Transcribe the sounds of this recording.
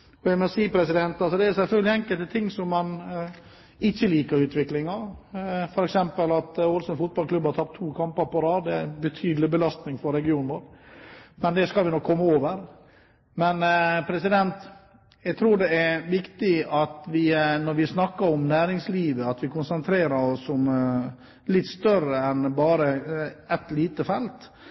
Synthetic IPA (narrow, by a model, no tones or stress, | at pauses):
b̥œʏmɛsiːpʰɾɛsɪd̪ɛnt̪ɑlsɔd̪ɛæɾsɛlfœlɡlɪɛŋkəlt̪ət̪ʰɪŋːsɔmːɑn | ɪçːəliːkəɾʉːt̪ʋɪklɪŋɑ | fɔɾɛksɛmpəlɑt̪olsənfʊt̪̚bɑlkʰlʉbːhɑɾt̪ʰɑp̚t̪ʰːuːkʰɑmpəɾpɔɾɑːd̪ɛæbət̪ʰyːd̪lɪbəlɑst̪nɪŋfɔɾɛɡɪuːnʋoːɾ | mɛnd̪ɛskɑlʋɪnɔkʰːɔmːəoːʋəɾ | mɛnpʰɾɛsɪd̪ɛnt̪ | jæɡt̪ʰɾuːɖɛæɾʋɪkt̪ɪɑt̪ʋɪnɔɾʋɪsnɑkːəɾɔmnæːɾɪŋsliːʋəɑt̪ʋɪkʰʊnsənt̪ʰɾeːɾəɾɔsːɔm | lɪt̪ːst̪œɾəɛnbɑːɾəɛt̪liːt̪əfɛlt̪